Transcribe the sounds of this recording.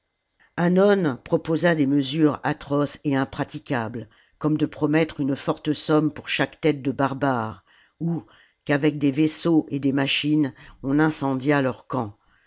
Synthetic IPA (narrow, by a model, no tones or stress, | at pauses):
ãnɔnpχɔpozad̪eməzyʁat̪χɔseɛ̃pχat̪ikʲabl | kɔmd̪əpχɔmɛt̪χynfɔʁt̪əsɔmpuʁʃakt̪ɛt̪̚d̪əbaʁbaʁ | u | kavɛk̚d̪evesoʔed̪emaʃinɔ̃nɛ̃sɑ̃d̪jalœʁkɑ̃